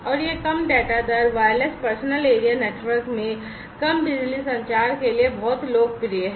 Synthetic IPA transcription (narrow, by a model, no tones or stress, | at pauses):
ɔːɾjekɐmɖɛːʈad̪ɐɾʋaːlespɐɾsnəleːɾijaneːʈʋəɾkmẽ | kɐmbɪd͡ʒlisɐ̃ɲt͡ʃaːɾkeliebɔːt̪loːɡ̚pɾieɦɛ